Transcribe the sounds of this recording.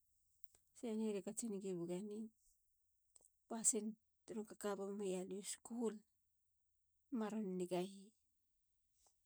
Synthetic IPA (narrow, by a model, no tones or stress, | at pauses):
seaniɾekat͡ʃiniɡibuɡani | pasin | tuɾuŋkakabamajaluskuhul | maɾonːiɡahi